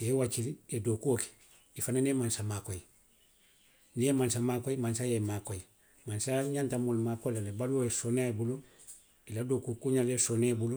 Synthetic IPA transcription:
jewat͡ʃiliedoːkuoke̥ | ifananemãnsamaːkoji | nijemãnsamaːkoimãnsajemakoji | mãnsaɲãntamolumaːkoilalebaluojesonaebulo | iladoːkukuɲalesonebulo

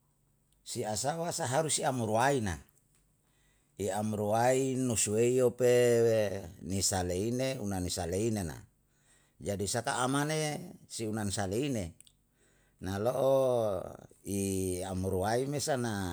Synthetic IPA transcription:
siasawasaɦaɾusiamuɾuaina | iamuɾuainosueiopewnisaleineunanisaleinena̰ | d͡ʒadisaka̰ːmanesiunansaleine | naloʔo | iamuɾuaimesana

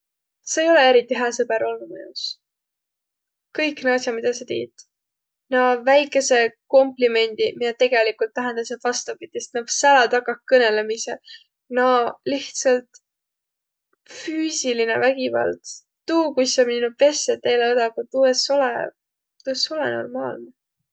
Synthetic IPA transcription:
seːjo̞lee̞ɾit̪ːˑiɦæːsɤbe̞ɾolːumḛjṵs | kɤjkːneɑsjɑmid̪̥ɑsɑt̪ḭːt̪ | nɑvæjkːˑe̞se̞ko̞mplime̞nʲd̪̥imid̪ɑt̪e̞ɡ̥e̞likˑult̪ːæɦend̪̥ɑset̪vɑst̪ɑpid̪ist̪nɑɡsælɑt̪ɑkːˑɑk̚kɤne̞le̞misḛ | nɑliht̪sɑlt̪ | fyːsiline̞̰væɡ̥ivɑ̰lt̪ | t̪uːkujsɑminːuve̞sːet̪ːe̞jleod̪ɑkut̪ueso̞lḛ | t̪ueso̞lḛno̞̰rmɑ̰ːlne

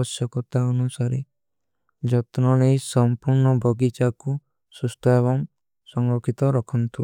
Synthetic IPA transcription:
ɔsjɔkɔt̪aɔnusaɾe | d͡ʒɔt̪nɔɽejsɔmpuɾɳɔbʱɔɡit͡ʃaku | sust̪ʰɔeβɔŋ | sɔŋɾɔkʰit̪ɔɾɔkʰɔnt̪ʰiɔ

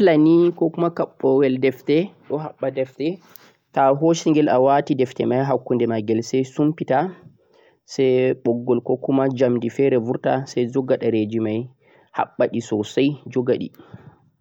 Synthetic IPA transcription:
lanikɔkumakaɓːɔwɛldɛftɛɗɔɦaɓːadɛftɛ | taɦoʃiŋɡɛlawatidɛftɛmajɦakːundɛmaɡɛlsɛjsumpita | sɛjɓɔɡːɔlkɔkumad͡ʒamdifɛɾɛvuɾtasɛjd͡ʒɔɡaɗaɾed͡ʒimaj | ha̰ɓːaɗisɔsajd͡ʒɔɡaɗḭ

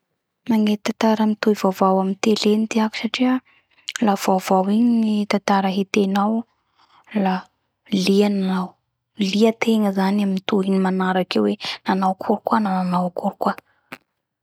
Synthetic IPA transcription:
maŋet̪at̪aɾəmit̪ujvavawamint̪elenit̪iaku̥saʈ͡ʂiə | lav̥avawiɲiit̪at̪aɾəɦet̪enaw | la | liananaw | liət̪ʰeŋəzanamint̪uɦinimanaɾakewenanawkʰuɾukuanananawkuɾukwa

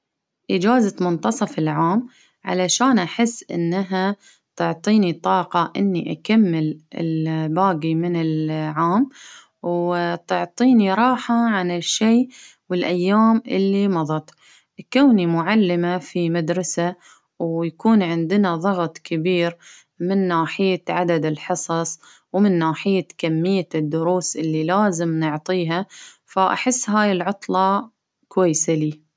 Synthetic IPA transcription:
ʔɪd͡ʒaːzamʊnt̪ɑsˤɑfɪlʕaːm | ʕa̰laʃaːnʔaħɪsːʔɪ̰nːaɦa | t̪ʊʕt̪ˤiːnit̪ˤɑːqɑʔɪnːiʔakamːɪlɪ̰lbaːɡimɪnɪlʕaːm | wt̪ʊʕt̪ˤiːniɾˤɑːħaʕanɪʃeː | wɪlʔajːaːmʔɪ̰lːimɑðˤɑt̪ | koːnimʊʕalːɪmafimad̪ɾˤɑsa | wjakuːnʕɪnd̪ɪnaðˤɑɣt̪ˤkɪbiːɾ | mɪnːaːħɪjːaʕad̪ad̪ɪlħɨsˤɑsˤ | wmɪnːaːħɪjːakamːɪjːad̪ːʊɾuːsʔɪlːilaːzɪmnʊʕt̪ˤiːɦa | faʔa̰ħɪsːɦaːjɪlʕʊt̪ˤlɑ | kwajːsaliː

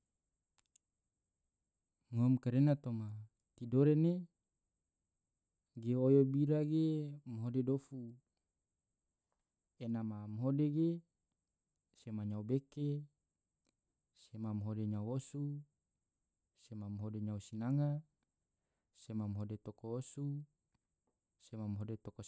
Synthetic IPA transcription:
ŋomkaɾenat̪oma | t̪idoɾene | ɡeojobiɾaɡemɦodedofu | enamamɦodeɡe | semaɲaubeke | semamɦodeɲawosu | semamɦodeɲausinaŋa | semamɦodet̪okoosu | semamɦodet̪oko

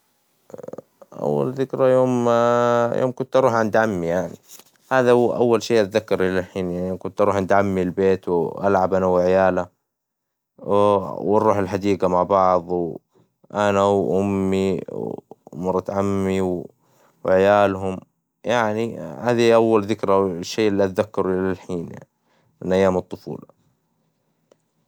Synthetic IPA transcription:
ʔa̰wːa̰lðɪkɾajoːm | jo̰ːmkʊnt̪ʔɑɾˤuːħʔand̪ʕamːijaʕnḭ | haːðaʔa̰wːalʃiːʔat̪ðakːɑɾˤʔɪlaħiːnjaʕnikʊnt̪ʔɑɾuːħʔant̪ʕamːilbeːt̪wʔa̰lʕabʔanawɪʕɪjaːla | wɪrˤːuːħɪlħad̪iːɡamaʕbɑʕðˤw | ʔanawʔʊmːiwmɑɾˤːɑt̪ʕamːiw | wɪʕjaːlɦʊm | jaʕnihaːðiʔawːalðɪkɾaʃːeːʔɪlːiʔat̪ðakːɑɾuʔɪlalħiːnja̰ʕni | mɪnʔajːaːmɨt̪ˤːʊfṵːla

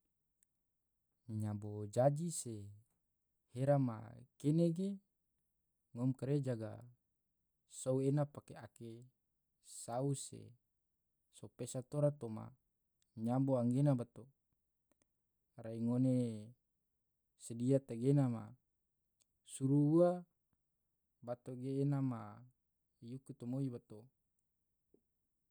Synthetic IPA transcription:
ɲabod͡ʒad͡ʒise | heɾama̰keneɡe | ŋomkaɾed͡ʒaɡa̰ | souenapakeake | sausḛ | sopesat̪oɾat̪oma̰ | ɲamboaŋɡenabat̪o | ɾaiŋone | sediat̪aɡenama̰ | suɾuua | bat̪oɡeːnama | jukut̪omoibat̪o

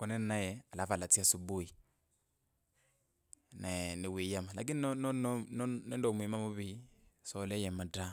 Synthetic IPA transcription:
kɔnɛnnajɛalafalat͡siasubui | naniwiːjamala̰k̬ininɔnnnɛndɔmwimamuβisɔlɛjɛmada

